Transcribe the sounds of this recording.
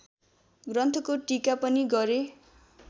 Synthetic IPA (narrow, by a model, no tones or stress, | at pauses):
ɡrʌnt̪ʰʌkoʈikapʌniɡʌɾe